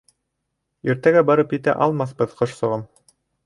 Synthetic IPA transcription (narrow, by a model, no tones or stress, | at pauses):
iɾt̪æɡæbɑɾɤpjɘ̆t̪æ̰ʔɑlˠmɑθbɤðqŏʃsŏʁɤm